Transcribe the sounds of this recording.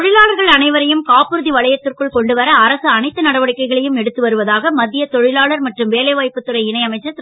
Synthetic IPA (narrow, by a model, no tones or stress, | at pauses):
ɔɻɪlaːɭɐɾɣɐɭɐnɐɪʋɐɾɐjɯmkaːpːɯɾɯðiʋɐɭɐjɐt̪ːɯrkɯɭkɔɳɖɯʋɐɾɐːɾɐsɯɐnɐɪt̪ːɯnɐɽɐʋɐɽɪkːɐɪɣɐɭɐjɯmɛɽɯt̪ːɯʋɐɾɯʋɐðaːɣɐmɐd̪ːɪjɐt̪ɔɻɪlaːɭɐɾmɐʈrɯmʋeːlɐɪʋaːjpːɯt̪ːɯɾɐɪɪnɐɪɐmɐɪt͡ʃːɐt̪ː